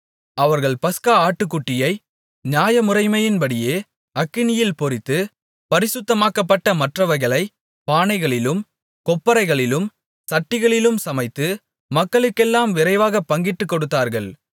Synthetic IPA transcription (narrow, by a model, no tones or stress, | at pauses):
ɐʋɐɾɣɐɭpɐskaːaːʈːɯkːʊʈːɪjɐɪ | ɲaːjɐmʊɾɐɪmɐjɪnpɐɽɪjeː | ɐkːɪnɪjɪlpɔɾɪt̪ːɯ | pɐɾɪsʊt̪ːɐmaːkɐpːɐʈːɐmɐʈrɐʋɐɣɐɭɐɪ | paːnɐɪɣɐɭɪlɯm | kɔpːɐɾɐɪɣɐɭɪlɯm | sɐʈːɪɣɐɭɪlɯmsɐmɐɪt̪ːɯ | mɐkːɐɭɯkːɛlːaːmʋɪɾɐɪʋaːɣɐpːɐŋɡɪʈːɯkːɔɽɯt̪ːaːɾɣɐɭ